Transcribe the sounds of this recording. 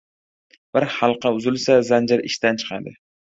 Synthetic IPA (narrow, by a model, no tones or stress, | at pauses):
b̥ɪɾhɑlˠqʰɑʊzɪlsazand͡ʒɪɾɪ̰ʃt̪ant͡ʃʰɨ̥qʰɑ̰d̪ɪ